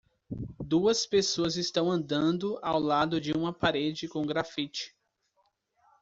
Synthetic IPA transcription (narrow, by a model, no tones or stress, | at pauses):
d̪uɐspesoɐzɪst̪ɐ̃w̃ɐ̃nd̪ɐ̃nd̪ʊawlad̪ʊd͡ʒɪũmɐpaɾed͡ʒɪkõɡɾafit͡ʃɪ̥